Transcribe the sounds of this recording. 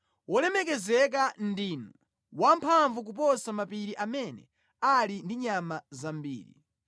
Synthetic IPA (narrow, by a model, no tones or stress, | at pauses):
wɔlɛmɛk̬ɛzɛk̬andiːnu | wampʰaɱvuk̬up̬ɔsamapiɾiʔamɛnɛ̰ | alindiɲamazambḭːɾḭ